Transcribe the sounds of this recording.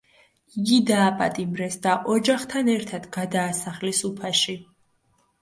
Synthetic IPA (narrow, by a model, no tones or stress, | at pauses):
iɡid̪aːpʼa̰t̪ʼimɾɛsd̪aʔɔd͡ʒaχt̪ʰanɛɾt̪ʰad̪̥ɡad̪aːsaχlisupʰaʃi